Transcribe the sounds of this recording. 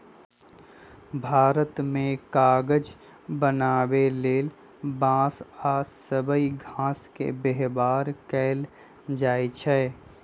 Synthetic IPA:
bʱaːɾət̪mẽkaːɡəd͡ʒ | bənaːweleːl | bãːsaːsəbəiɡʱãːskḛbeɦbaːɾkɛːl | d͡ʒaːit͡ʃʰɛ

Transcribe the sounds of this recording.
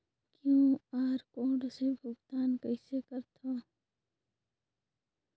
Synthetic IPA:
kjũːaːɾkoːɖsebʱʊɡt̪aːnkəɪsekəɾt̪ʰoː

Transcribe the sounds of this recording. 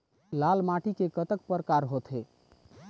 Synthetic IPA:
lalmaʈʰikekət̪ək̚pəɾkaɾɦot̪ʰɦe

